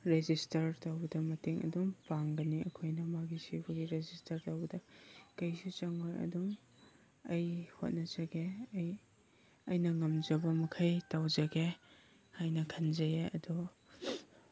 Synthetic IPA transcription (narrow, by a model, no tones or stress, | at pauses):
ɾezistɐɾtawbɐdɐmɐteŋʔɐ̰dumpaŋɡɐniɐ̰kʰojnɐmaɡisibɐɡiɾezistʰɐɾtawbɐdɐkɐjsut͡ʃɐŋojɐ̰dum | ɐjho̰t̚nɐzɐɡeɐj | ɐjnɐŋɐmzɐbɐmɐkʰɐjtawzɐɡe | hajnɐkʰɐnzɐjeɐ̰dɔ